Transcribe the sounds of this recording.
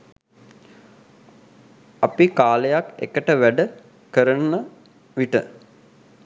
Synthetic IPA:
apikaːlejakḛkəʈəʋæɖə | kəɾənːə | ʋiʈə

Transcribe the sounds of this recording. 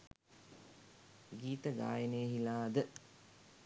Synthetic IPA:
ɡiːt̪əɡa̰ːjənejəɦilaːd̪ə

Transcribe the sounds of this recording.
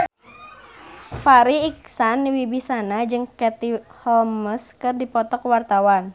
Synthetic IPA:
faɾiːksanːiwibisanad͡ʒɨŋkɛt̪ihɔlməskɨrdipɔt̪ɔkwart̪awan

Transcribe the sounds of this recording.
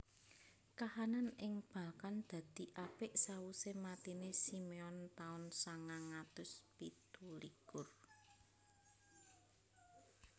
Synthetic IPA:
kahananɪŋb̥a̤kand̪̥ä̤d̪̥i̤ʔapɪʔsawusemat̪inesimeɔnt̪aʊnsaŋaŋat̪ʊspit̪ulikʊr

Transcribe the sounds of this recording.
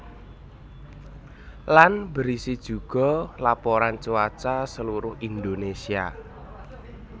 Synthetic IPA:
lanbəɾisid̥ʒ̥ṳɡ̥ɔ̤lapoɾant͡ʃuat͡ʃasəluɾʊhind̪onesia̰

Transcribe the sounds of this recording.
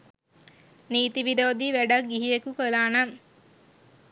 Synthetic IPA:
niːt̪iʋiɾoːd̪iʋæɖak̚ɡiɦijekukəlaːnaŋ

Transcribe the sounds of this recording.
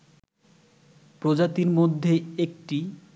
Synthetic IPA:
pɾod͡ʑat̪iɾmod̪ʱːeek̚ʈi

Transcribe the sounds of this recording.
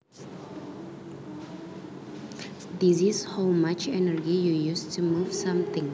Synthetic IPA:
d̪isishawmat͡ʃɛnəɹd͡ʒijujustʰumuv̥sãmt̪ɪ̃ŋ

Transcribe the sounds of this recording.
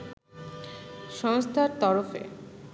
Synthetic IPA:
ʃɔŋst̪ʰaɾt̪ɔɾofḛ

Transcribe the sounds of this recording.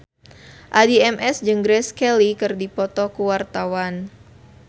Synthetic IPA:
ʔadiɛmʔɛsd͡ʒɨŋɡɾɛskɛlikɨrdipɔt̪ɔkuwart̪awan

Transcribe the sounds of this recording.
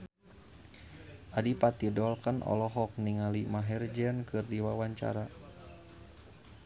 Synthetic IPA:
ʔadipat̪idɔlkənʔɔ̰lɔɦɔk̚niŋalimaɦɛrd͡ʒɛnkɨrdiwawaɲt͡ʃa̰ɾa

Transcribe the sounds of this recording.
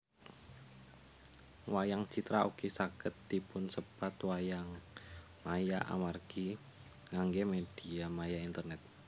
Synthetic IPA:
wajaŋt͡ʃit̪ɾauɡ̥isakət̪̚ːipʊnsəpat̪wajaŋ | majaʔa̰marɡ̥i | ŋaŋɡemed̥iamajaint̪ərnɛt̪̚

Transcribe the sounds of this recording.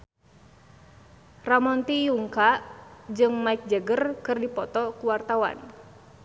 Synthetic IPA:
ramɔnt̪ijuŋkaʔd͡ʒɨŋmaɪk̚d͡ʒəɡərkɨrdipɔt̪ɔkuwart̪awa̰n

